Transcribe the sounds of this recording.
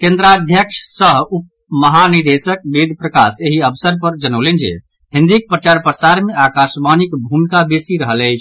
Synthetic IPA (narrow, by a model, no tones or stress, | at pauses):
kẽnd̪ɾad̪ʱjəkʂʰsəɦup̚ | məɦanid̪esək̚bed̪ʱpɾəkaseɦiəbsəɾpəɾd͡ʒənəʊlend͡ʒḛ | ɦĩnd̪ik̚pɾət͡ʃaɾpɾəsaɾmeakasmanikbʱumkabesiɾəɦələɪt͡ʃʰ